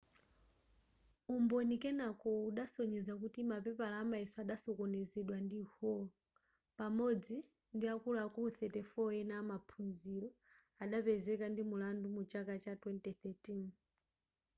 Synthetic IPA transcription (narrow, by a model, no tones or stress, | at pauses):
umbɔnikɛnakɔuɗasɔɲɛzak̬utimapɛpalaːmaɛsɔaɗasɔkɔnɛzɛɗwandihɔ | pamɔd͡zi | ndiakulakuuθɛtɛfɔɛnaːmapʰunziɾɔ | aɗapɛzɛkandimulandumut͡ʃakat͡ʃatwɛntɛθɛtin